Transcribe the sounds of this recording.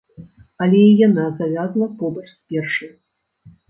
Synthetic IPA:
ɐlʲɛijanazavʲazlˠɐpɔbɐt͡ʂspʲɛrʂɐ

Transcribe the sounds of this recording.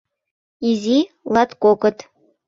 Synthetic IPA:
izʲi | lˠɑt̪kokɤ̆t̪

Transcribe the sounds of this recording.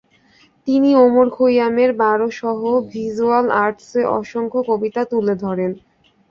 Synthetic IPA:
t̪iniomoɾkʰojameɾbaɾoʃɔɦobʱizualaɾʈseʔɔ̰ʃoŋkʰokobit̪at̪uled̪ʱɔɾen

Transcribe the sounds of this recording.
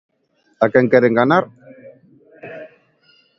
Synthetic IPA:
akeŋkeɾeŋɡanaɾ

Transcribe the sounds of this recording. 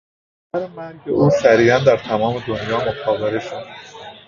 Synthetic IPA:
æɾmæɾɟeʔuːsæɾiːjænd̪æɾt̪ʰæmɒːme̞d̪onjɒːmokʰɒːveɾeʃod̪

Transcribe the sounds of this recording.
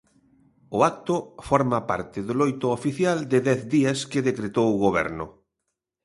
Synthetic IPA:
ʊak̚t̪ʊfɔɾmapa̰ɾt̪ɪðʊlojt̪ʊofiθjald̪ɪðɛθd̪iaskɪðekɾet̪owɣoβ̞ɛ̰ɾnʊ̰

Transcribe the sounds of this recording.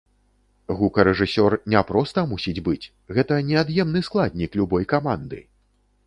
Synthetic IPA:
ɣukɐɾɛʐɨsʲɔrnʲɛpɾɔst̪ɐmusʲid͡zʲbɨt͡sʲ | ɣɛt̪ɐnʲɛad̪jɛmnɨsklˠad̪ʲnʲiklʲubɔjkamand̪ɨ̰

